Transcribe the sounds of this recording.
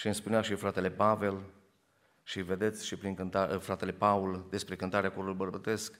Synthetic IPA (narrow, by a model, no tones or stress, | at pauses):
ʃiɨnspuneaʃifɾat̪e̞le̞pave̞l | ʃive̞d̪e̞t̪sʲʃipɾiŋkɨnt̪afɾat̪e̞le̞pauld̪e̞spɾe̞kɨnt̪aɾeakoɾulbərbət̪e̞sk